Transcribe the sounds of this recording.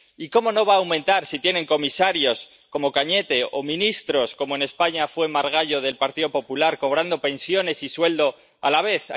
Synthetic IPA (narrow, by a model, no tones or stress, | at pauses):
iko̞mo̞no̞βaːwmẽ̞nt̪aɾsit̪je̞ne̞ŋko̞misaɾjo̞s | ko̞mo̞kaɲe̞t̪e̞o̞mĩnist̪ɾo̞sko̞moene̞spaɲafwe̞maɾɣ̞aʎo̞ðe̞lpaɾt̪iðo̞po̞pulaɾko̞β̞ɾand̪o̞pe̞nsjo̞ne̞siswe̞ld̪o̞ | alaβ̞e̞θa̰